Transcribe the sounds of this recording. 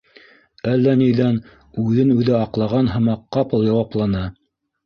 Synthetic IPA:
ælːænijðæn | ʉðɘnʉðɘɑqlˠɑʁɑnɦɤ̆mɑqːɑpɤlˠjɑwɑplˠɑnɑ

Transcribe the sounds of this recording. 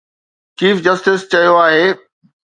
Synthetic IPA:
t͡ɕiːfd͡ʑɐsʈɪst͡ɕɐjoaːɦeː

